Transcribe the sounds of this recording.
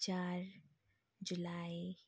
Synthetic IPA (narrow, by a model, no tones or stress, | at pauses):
t͡ʃaːɾ | d͡ʒʊlai